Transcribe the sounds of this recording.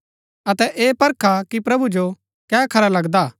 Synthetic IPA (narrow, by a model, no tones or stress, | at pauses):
ɐt̪ɛʔeːpɐɾkʰakipɾɐbud͡ʒo | kɛːkʰɐɾalɐɡd̪aː